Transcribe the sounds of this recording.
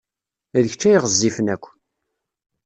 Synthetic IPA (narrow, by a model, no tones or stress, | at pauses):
æðəçt͡ʃːæjʁəzːifənækʷːən